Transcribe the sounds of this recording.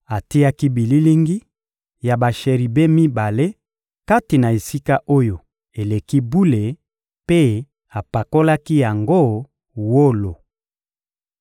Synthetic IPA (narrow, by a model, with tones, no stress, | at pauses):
a˨ti˦a˦ki˦bi˨li˦li˦ŋɡi˦ | ja˨ba˨ʃe˨ʁi˨be˦mi˦ba˨le˦ | ka˦ti˨na˨e˨si˦ka˦ʔo˦jo˨ | e˨le˨ki˦bu˦le˨ | pe˦ | a˨pa˨ko˦la˦ki˦ja˨ŋɡo˦ | wo˦lo˨